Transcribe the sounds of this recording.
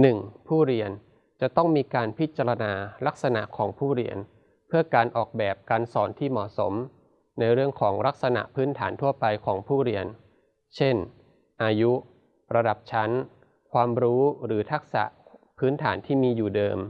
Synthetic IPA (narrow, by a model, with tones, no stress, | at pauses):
nɯ˨˩ŋpʰuː˥˩ɾi˧ən | t͡ɕa˨˩t̪ɔ˥˩ŋmiː˧kaː˧npʰi˦˥t̪̚t͡ɕaː˧ɾa˧naː˧la˦˥k̚sa˧na̰˨˩ʔkʰɔː˩˦ŋpʰuː˥˩ɾḭ˧ən | pʰɯ˥˩ɐkaː˧nʔɔː˨˩k̚bɛː˨˩p̚kaː˧nsɔː˩˦nt̪ʰiː˥˩mɔ˨˩so̰˩˦m | na˧jɾɯ˥˩əŋkʰɔː˩˦ŋɾa˦˥k̚sa˧na̰˨˩ʔpʰɯː˦˥nt̪ʰaː˩˦nt̪ʰu˥˩ɐpa˧jkʰɔː˩˦ŋpʰuː˥˩ɾi˧ən | t͡ɕʰe˥˩n | ʔaː˧ju˦˥ | ɾa˧da˨˩p̚t͡ɕʰa˦˥n | kʰwaː˧mɾuː˦˥ɾɯː˩˦t̪ʰa˦˥k̚sa̰˨˩ʔ | pʰɯː˦˥nt̪ʰaː˩˦nt̪ʰiː˥˩miː˧juː˨˩dɤː˧m